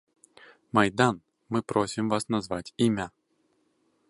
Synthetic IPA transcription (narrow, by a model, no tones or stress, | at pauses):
majd̪an | mɨpɾosʲimvasnazvatʲimʲa